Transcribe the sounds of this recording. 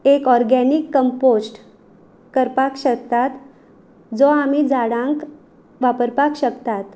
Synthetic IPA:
ekɔɾɡɛnikːəmposʈ | kəɾpakɕək̚t̪at̪ | d͡zɔam̤id͡zaɽãŋk | ʋapəɾpakɕəkt̪at̪

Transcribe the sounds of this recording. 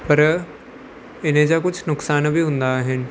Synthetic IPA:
pɐɾ | ɪnẽd͡ʒak̬ʊd͡ʒʰnʊksaːnbʱiːɦʊ̃nd̪aɦɪn

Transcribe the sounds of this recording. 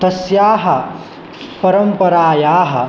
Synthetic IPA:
t̪ɐsjaːɦɐ | pɐɾɐmpɐɾaːjaːɦɐ̰

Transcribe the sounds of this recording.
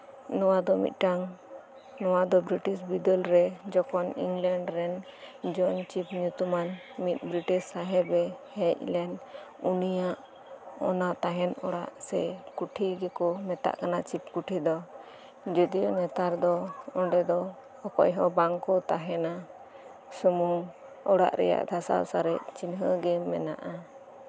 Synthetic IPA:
nɔwad̪ɔmḭt̪̚ˀʈaŋ | nɔwad̪ɔbɾiʈisbid̪ɔlɾɛd͡ʒɔkʰɔnḭŋɡlaɳɖɾɛnd͡ʒɔnt͡ʃipɲut̪uman | mit̪̚ˀbɾiʈissaɦɛbɛhɛc̚lɛn | unijaʔ | ɔnat̪aɦɛnɔɽa̰ʔsɛkuʈʰiɡɛkɔmɛt̪a̰ʔkanat͡ʃip̚kuʈʰid̪ɔ | d͡ʒud̪ijɔnɛt̪aɾd̪ɔɔɖɛd̪ɔ | ɔkɔ̰jɦɔbaŋkɔt̪aɦɛna | sumu | ɔɽa̰ʔɾɛ̰ja̰ʔd̪ʰʱasa̰wsaɾɛʔt͡ʃinɦəɡɛmɛ̰na̰ʔa

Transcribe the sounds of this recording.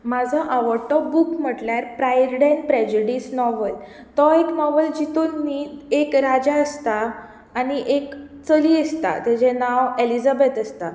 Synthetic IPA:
mad͡zʱaʔaʋəɾʈɔbukm̤əʈljaɾpɾajɾɖenpɾɛd͡ʑuɖisnɔʋəl | t̪ɔeknɔʋəld͡ʑit̪onːiːt̪ekɾad͡ʑaəst̪aː | ñiʔek | t͡səliəst̪a̰t̪ad͡ʑɛnaʋelid͡zabet̪əst̪a

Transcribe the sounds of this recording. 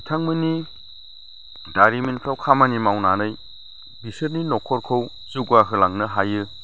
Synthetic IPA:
itʰaŋmɯni | daɾimenpʰɾawkʰamanimawnanɯj | bisɯɾninɔkʰɔɾkʰɯw | zuɡaɦɯlaŋnɯɦajɯ

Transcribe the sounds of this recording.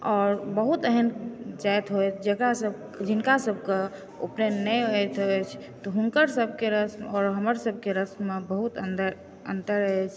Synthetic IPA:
ɔːɾbəɦut̪əɦənd͡ʒajt̪ɦojt͡ʃ̪ʰd͡ʒekɾasəb | d͡ʒinkasəbʱke | o̰pnenɛəjt̪ɦot͡ʃʰ | t̪ɔɦunkəɾsəbʱkeɾəsɔːɾɦəməɾsəb̚ʱkeɾəsmebəɦut̪ənd̪ə | ənt̪əɾəet͡ʃʰ

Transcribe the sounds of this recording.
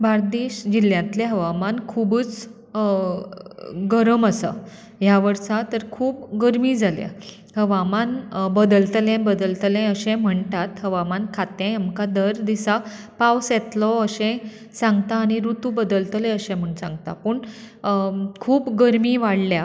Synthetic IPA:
bʱaɾd̪iɕd͡ʑiljãnt̪leɦəʋamankʰuːbəːt͡s | ɡəɾəməsə̰ | ɦjaʋəɾt͡sat̪əɾkʰuːp̚ɡəɾmid͡zʱaljã̰ | həʋamanbəd̪əlt̪lẽbəd̪əlt̪lɛ̃əɕɛ̃m̤əɳt̪at̪ɦəʋamankʰat̪ẽamkad̪əɾd̪isa | pawsɛt̪lɔəɕɛ̃ | sãŋɡt̪aːɽ̃iɾut̪ubəd̪əlt̪lẽəɕɛ̃m̤əɳsãŋɡt̪a̰pəɳ | kʰuːpɡəɾmiːʋaɽlja

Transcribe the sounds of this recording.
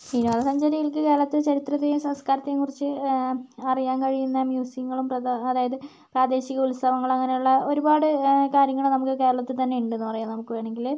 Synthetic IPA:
inuɐðɐsɐɲd͡ʑɐɾijilkɨke̞ːɾɐɭɐt̪ːɨt͡ɕɐɾit̪rɐt̪ːejumsɐmskaːɾɐt̪ːɐjumkurit͡ɕːɨ | ɐrijaːnkɐɻijunːɐmjuːsiŋːɐɭumpɐːðaːjɐðɨ | praːd̪e̞ːɕiɣɐulst̪ʰɐʋɐŋːɐɭɐŋːɐne̞juɭːɐo̞ɾubaːɽɨkaːɾjɐŋːɐɭumnɐmukːɨke̞ːɾɐɭɐt̪ːilt̪ɐnːe̞uɳɖɨenːɨpɐrɐjaːnnɐmukːɨʋeːɳeŋɡil

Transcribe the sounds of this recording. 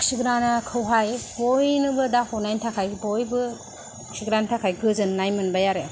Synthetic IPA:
ksiɡɾanakʰɯwɦajbojnɯbɯdahʰonajntʰakʰajbojbɯ | ksiɡɾantʰakʰajɡɯzɯnːajmɯnbajaɾe

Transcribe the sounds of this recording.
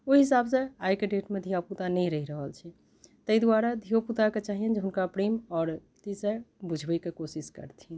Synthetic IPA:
oɦisabseajkeɖeʈmed̪ʱiaput̪anɛjɾəɦiɾəɦəlt͡ʃʰɛ | t̪əjd̪waɾad̪ʱiaput̪aket͡ʃaɦijənd͡ʒeɦunkapɾemɔɾ | t̪isəbud͡ʒʱbəkekosiskə̰ɾt̪ʰin

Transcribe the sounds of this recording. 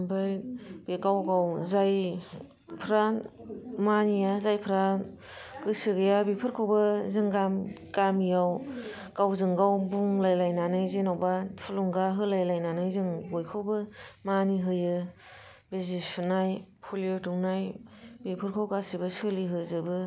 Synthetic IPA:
bajb̥ekawɡawzaj | pʰɾa | manijazajpʰɾa | kɯsɯɡɯjabipʰɯɾkʰawbɯzɯŋɡam | kamijaw | kawzɯŋɡawbuŋlajlajnanɯjzenawbapʰuluŋɡaɦɯlajlajnanajzɯŋɡojkʰowbɯmaniɦɯjɯ | bezipʰɯnajpʰuliɯtuŋnajbipʰɯɾkʰawkasibɯsɯliɦɯzɯbɯ

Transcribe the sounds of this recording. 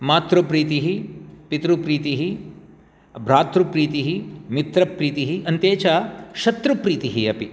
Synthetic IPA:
maːt̪ɾupɾiːt̪iɦipit̪ɾupɾiːt̪iɦi | bʱɾaːt̪ɾupɾiːt̪iɦimit̪ɾɐpɾiːt̪iɦiʔɐnt̪eːt͡ʃaʃɐt̪ɾupɾiːt̪iɦiɐpi

